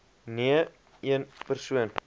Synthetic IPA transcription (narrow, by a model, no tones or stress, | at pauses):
niə | iənpərsuən